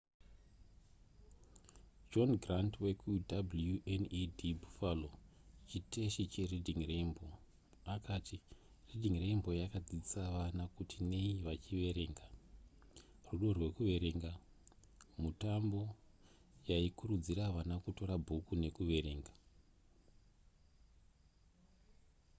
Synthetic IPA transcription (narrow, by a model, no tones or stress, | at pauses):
d͡ʒo̞nɡrantwekʰudabljuʔenidʱibʱufalot͡ʃite̞ʃit͡ʃe̞ridʱiŋre̞mbo̞ | akati | ridʱiŋre̞mbo̞jakad͡zid͡zisaʋanakutine̞iʋat͡ʃiʋe̞ɾe̞ːŋɡa | ruɗo̞rwe̞kuʋe̞ɾe̞ŋɡa | mutambo̞ | jaikuɾud͡ziɾaʋanakuto̞ɾabʱukune̞kuʋe̞ɾe̞ːŋɡa